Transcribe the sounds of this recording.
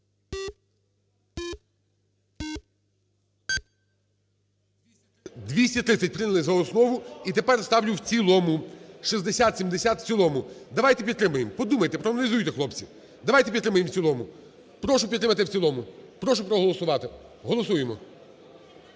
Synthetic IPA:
d̪ʲʋʲisʲtʲɐt̪ɾɪt̪sʲɐt̚ʲpɾɪnɐlˠɪzɐɔsnɔʋʊit̪e̞pɛrst̪ɑwlʲʊwt͡sʲilˠɔmʊʃizd̪esʲat̪sʲimd̪esʲat̪w̥t͡sʲilˠɔmʊd̪ɐʋajt̪epʲid̪t̪ːɾɪmʊjempɔd̪umɐjt̪epɾɔɐnɐlʲizujʊt̪ɛxlˠɔp̚t͡sʲi | d̪ɐʋajt̪ep̬ʲid̪ɾɪmɐʊjemwt͡sʲilˠɔmʊ | pɾɔʃʊpʲit̪ːɾɪmɐt̪ɪwt͡sʲilˠɔmʊpɾɔʃʊpɾɔɦɔlˠɔsʊʋɑt̪ɪɦɔlˠɔsujemɔ

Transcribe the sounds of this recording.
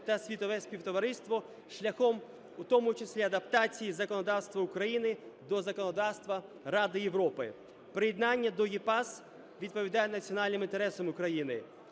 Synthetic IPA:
t̪ɐsʲʋʲit̪ɔʋɛsʲpʲiwt̪ɔʋɐɾɪst̪ʋɔ | ʃlʲɐxɔm | ut̪ɔmʊt͡ʃɪsʲlʲiɐd̪ɐpt̪ɑt͡sʲijizɐkɔnɔd̪ɑwst̪ʋɐʊkɾɐjinɪd̪ɔzɐkɔnɔd̪ɑwst̪ʋɐ | ɾɑd̪ɪjeʋɾɔpɪ | pɾɪjɛd̪nɑnʲːɐd̪ɔjipɑs | ʋʲid̪̚pɔʋʲid̪ɑjɛnɐt͡sʲiɔnɑlʲnɪmint̪eɾɛsɔmʊkɾɐjinɪ

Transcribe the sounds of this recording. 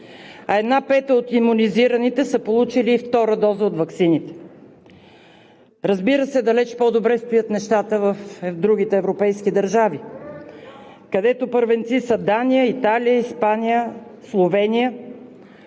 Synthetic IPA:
ɐɛd̪napɛt̪əot̪imuniziɾənit̪ɛsəpolˠut͡ʃiliːft̪ɔɾəd̪ɔzəot̪vɐksinit̪ɛ̥ | ɾəzbiɾəsɛd̪ɐlɛt͡ʃpɔd̪obɾɛst̪ojət̪nɛʃt̪at̪əvəfɛvd̪ɾuɡ̟it̪ɛːvɾopɛjskid̪ɐɾʒavi | kɐd̪ɛt̪opəɾvɛnt̪sisəd̪anijəit̪alijəispanijəslˠovɛnijə

